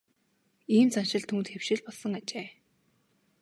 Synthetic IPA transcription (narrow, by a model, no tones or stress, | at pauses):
iːmt͡sanʃɪ̆ɮt̪ʰunt̪xewʃɪ̆ɮpɔɮsɞ̆ŋat͡ɕeː